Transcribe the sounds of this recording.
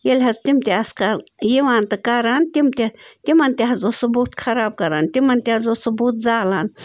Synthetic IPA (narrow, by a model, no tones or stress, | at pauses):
jelʲɦɐzt̪imt̪ʲeɐskɐɾjiʋaːnt̪ɐkɐɾaːnt̪imt̪ʲet̪imɐnt̪ʲeɦɐzosɐbuːt̪kʰɐɾaːb̚kɐɾaːnt̪imɐnt̪ʲeɐzosubuːt̪̚zaːlaːn